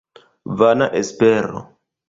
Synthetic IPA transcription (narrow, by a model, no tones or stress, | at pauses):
vanaʔespeɾo̰